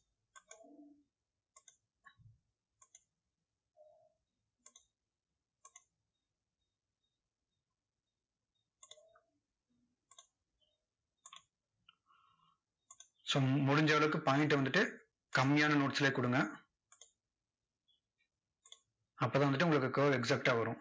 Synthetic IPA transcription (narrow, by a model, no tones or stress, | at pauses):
soːmʊɽʊɲd͡ʒaːʋɐɭɯkːɯpaːjɪʈːɯʋɐnd̪ɯʈːɯ | kɐmːɪjaːnɐnoːʈt̪ːɪleːkʊɽɯŋɡɐ | ɐpːoːt̪ãːʋɐnd̪ɯʈːɯʊŋɡɐɭɯkːɯkːɐʋɛksɐk̚ʈaːʋɐɾʊ̃